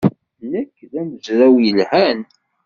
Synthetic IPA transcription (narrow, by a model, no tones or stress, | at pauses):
lːækːðæməzɾæwjəlhæn